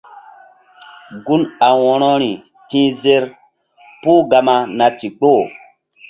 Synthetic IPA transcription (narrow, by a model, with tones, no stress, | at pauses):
ɡu˦na˨wɔ˨ɾɔ˦ɾi˨ | tĩ˦ze˦ɾ | pu˦ɡa˨ma˨na˨ti˨k͡po˦˨